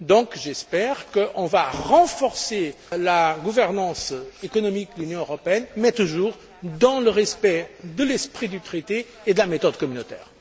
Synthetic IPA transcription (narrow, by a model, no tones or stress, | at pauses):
d̪ɔ̃kʒɛspɛʁkəʔɔ̃vaʁɑ̃fɔʁse | laɡuvɛʁnɑ̃sekɔnɔmik̚d̪əlynjɔ̃øʁɔpeɛnmɛt̪uʒuʁ | d̪ɑ̃ləʁɛspɛd̪əlɛspχid̪yt̪χet̪eː | d̪əlamet̪ɔd̪kɔmynot̪ɛ̰ːʁ